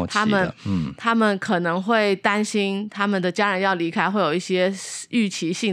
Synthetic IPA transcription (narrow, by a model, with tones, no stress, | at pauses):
t̪ʰa˥mə˨n˩t̪ʰa˥mə˨nkʰɤ˨˩nɤ˧˥ŋxwe˥˩ɪt̪a˥nɕi˥nt̪ʰa˥mə˨nd̪ə˩t͡ɕja˥ɻə˧˥njɑ˥˩ʊli˧˥kʰa˥ɪxwe˥˩ɪjo˨˩ʊi˥˩ɕjɛ˥y˥˩t͡ɕʰi˧˥ɕi˥˩